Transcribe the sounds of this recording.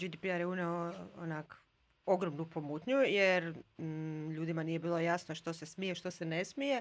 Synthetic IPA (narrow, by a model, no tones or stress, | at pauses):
d͡ʒid̪ipiaɾjeuneoo̰nak | oɡɾomnupomut̪ɲujeɾ | ʎuːd̪imanije̞biːlˠo̞jasnoʃt̪o̞se̞smijeʃt̪osenesmije